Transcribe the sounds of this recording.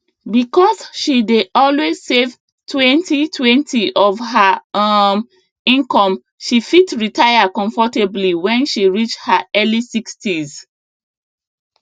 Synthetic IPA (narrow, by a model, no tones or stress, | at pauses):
bikɔzʃideʔɔlwez̥sev | tʰwɛ̃ntitʰwɛ̃ntʰiʔɔvɦaam | ĩŋkɔ̃m | ʃifitɹitʰajakɔ̃ɱfɔtebliwɛ̃nʃiɹit͡ʃthaʔɛlisikstiz